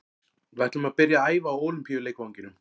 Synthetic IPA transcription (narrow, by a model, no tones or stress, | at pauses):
vɛht̪lʏmaðpɪɾjaaːjvaːwoːwlʏmpʰiːjʏleːjkvawŋɲcɪnʏm